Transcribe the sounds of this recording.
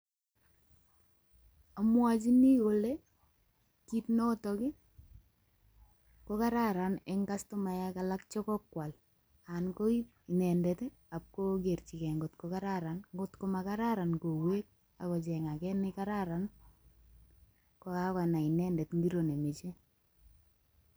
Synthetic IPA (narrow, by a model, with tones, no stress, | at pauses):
a˨mwa˦t͡ʃi˦ni˦ko˨le˦ | ki˦tnɔ˦tɔ˨kɪ˦ | kɔ˦ka˦ɾa˦ɾa˨nɛ˦ŋka˦stɔ˦ma˨ja˦ka˨la˦kt͡ʃɔ˦kɔ˦kwa˨l | ankɔ˦i˦ | i˨nɛ˨ndɛ˨t | a˨p̚ko˦ɡe˨rt͡ʃi˨kɛ˨ŋɡʊ˨tkɔka˦ɾa˦ɾa˨nŋɡʊ˦tkoma˨ka˦ɾaɾa˨nko˨wwe˦k̚ | a˨kɔ˨t͡ʃɛ˨ŋa˨kɛ˦nɪkaɾaɾa˨n | kɔ˨ka˦ka˨na˨i˨nɛ˦ndɛ˨tŋɡi˦ɾo˨ne˨mi˨t͡ʃe˦